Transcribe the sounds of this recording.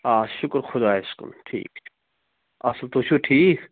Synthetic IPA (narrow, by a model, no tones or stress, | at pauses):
aːʃʊkɾxʊd̪aːɪskʊ̰mʈʰḭːk | ɐslt̪oʃʰuʈʰiːk